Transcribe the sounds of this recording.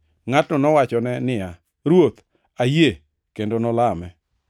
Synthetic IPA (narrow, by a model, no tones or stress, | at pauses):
ŋatnɔnɔwat͡ʃɔnɛnɪja | ɾwot̪ | aje | kendonɔlamɛ